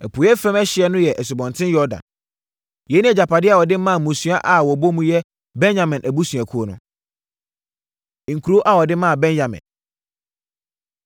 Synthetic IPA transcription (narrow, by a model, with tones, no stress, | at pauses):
æ˨pʰu˨˦ɛ˦fɾɛ̃˦mɛ˦ɕɪ˨ɛ˦nʊ̃˦jɛ˨ʔɛ˨sʊ˨bɔ̃˨ntʰɪ̃˦njɔ˦dã̰˨n | jɛ˨˦nĩ˦ɛ˨d͡ʑa˨pʰa˨dɪ˦a˨wɔ˨dɪ˦mã˦˨mũ˨sũ˨a˦ʔa˨wɔ˨bo˦mũ˦jɛ˦ | bɛ̃˦nd͡ʑã˨mɪ̃˨nʔæ˨bu˦sũ˨a˨kʰu˦o˦nʊ̰̃˦˨ | ŋ̩˨kʰu˨ɾo˦ʔa˦wɔ˨dɪ˦mã˦˨bɛ̃˦njã˨mɪ̰̃˨n